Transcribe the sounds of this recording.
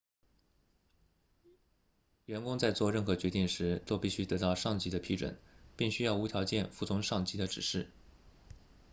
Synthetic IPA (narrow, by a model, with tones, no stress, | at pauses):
ɥɛ˧˥nkʊ˥ŋt͡sa˥˧ɪt͡swɔ˥˧ɻə˥˩nxɤ˧˥t͡ɕɥɛ˧˥t̪i˥˩ŋʂɻ̩˧˥t̪o˥ʊpi˥˩ɕy˥t̪ɤ˧˥t̪ɑ˥˧ʊʂɑ˥˩ŋt͡ɕi˧˥d̪ə˧pʰi˧˥ʈ͡ʂwə̰˨˩˦npi˥˩ŋɕy˥jɑ˥˩ʊu˧˥t̪ʰjɑ˧˥ʊt͡ɕjɛ˥˧nfu˥˩t͡sʰʊ˧˥ŋʂɑ˥˩ŋt͡ɕi˧˥d̪ə˧ʈ͡ʂɻ̩˨˩ʂɻ̩˥˩